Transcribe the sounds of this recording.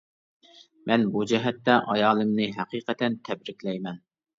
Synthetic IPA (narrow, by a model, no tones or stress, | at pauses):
mɛnbud͡ʒɛɦɛt̪ːɛʔɑjɑːlˠɨmnɨɦæqiːqət̪ɛnt̪ʰɛbɾɪkʲlɛjmɛn